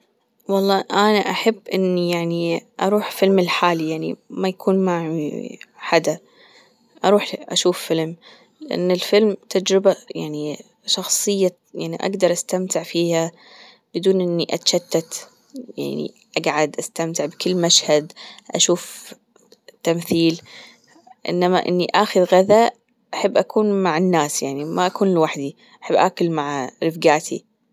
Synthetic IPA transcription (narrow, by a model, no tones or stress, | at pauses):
wɑlˤːɑːʔanaʔaħabːʔɪnːijaʕniʔɑɾˤuːħfɪlmɪlħaːlijaʕnḭmajakʰuːnmaʕiħad̪a | ʔɑɾˤuːħʔaʃuːfːɪlm | lɪʔa̰nːɪlfɪlmt̪ʰad͡ʒɾɪbajaʕni | ʃɑxsˤɨjːa | jaʕniʔa̰ɡd̪ɑɾˤʔast̪amt̪ɪʕfiːha | b̥ɪd̪uːnʔɪnːiʔat̪ḁʃat̪ːat̪ | ja̰ʕnḭ | ʔaɡʕad̪ʔast̪amt̪ɪʕbkɪlːmaʃhad̪ʔa̰ʃuːf | t̪ːamθiːl | ʔɪ̰nːamaʔɪ̰nːiʔaːxɪðɣaða | ʔaħabːʔakuːnmaʕɪnːaːsjaʕnimaʔakuːnɪlwaħd̪i | ʔaħɪbːʔa̰ːkʊlmaʕɾɪfɡaːt̪ʰḭ